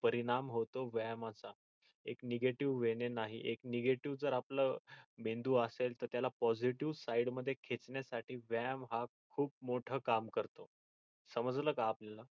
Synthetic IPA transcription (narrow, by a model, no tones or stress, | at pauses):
pəɾiɽ̃amɦot̪oʋɛmat͡sa | ekneɡeʈiʋːeɽenaɦḭʔekneɡeʈiʋd͡zəɾapləmend̪uːəselt̪əɾt̪jalapɔd͡ziʈiʋsaiɽməd̪ʱːjekʰet͡sɳjasaʈiːʋɛmɦakʰuːp̚moʈʰəːkamkəɾt̪o | səməd͡zləːkaapljala